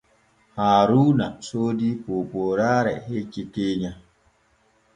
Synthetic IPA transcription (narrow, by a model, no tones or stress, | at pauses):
haːɾuːnasoːdipoːpoːɾaːɾɛ̰het͡ʃːikeɲa